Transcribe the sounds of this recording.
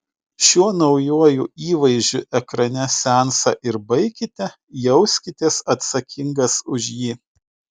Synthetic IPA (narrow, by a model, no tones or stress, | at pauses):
ʃʲuɔnɒʊjuɔjʊ̰ːiːʋɐɪʒʲd͡ʒʲʊʔɛkɾɐnʲɛsʲæˑnsɐ̰ːˑʔɪɾbɐɪkʲɪt̪ʲɛ | jɛʊsʲkʲɪt̪ʲeːsɐt̪sɐkʲʰɪŋɡɐsʊʒʲjiː